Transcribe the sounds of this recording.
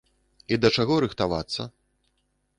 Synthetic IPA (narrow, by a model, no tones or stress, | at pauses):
id̪ɐt͡ʂaɣɔɾɨxt̪ava̰t̪sːɐ̰